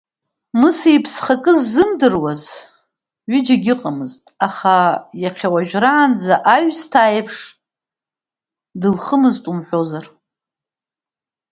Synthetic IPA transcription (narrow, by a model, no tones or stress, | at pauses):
mɨsijpʰsχakʼɨzːɨmdɨrwaz | ɥid͡ʒaɡʲɪqʼamɨztʼaχajaqʲʰawaʒᶣraːnd͡zaʔaɥstʰaːjpʰʂ | dɨlχəmɨztʼumħʷᶣo̞zar